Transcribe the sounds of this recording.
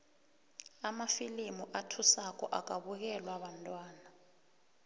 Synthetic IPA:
amafilimuʔatʰusak̬ʼɔ̰ʔak̬ʼaɓuk̬ɛlwaɓantʼwaːna

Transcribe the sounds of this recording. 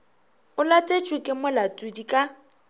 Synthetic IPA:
ʊlatʼet͡ʃʼʊkʼɪmʊlatʼudikʼa

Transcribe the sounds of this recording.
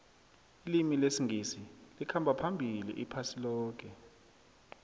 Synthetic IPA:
ilimilesiŋʱisilikʰambʱapʰambʱilḭʔipʰasilɔːk̬ʼɛ

